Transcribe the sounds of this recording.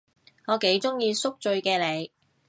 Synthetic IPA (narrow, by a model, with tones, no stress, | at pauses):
ŋɔː˨˧ke˨˥jt͡sʊ˥ŋjiː˧sʊ˥k̚t͡ʃɵ˧ɥkɛː˧le˨˧j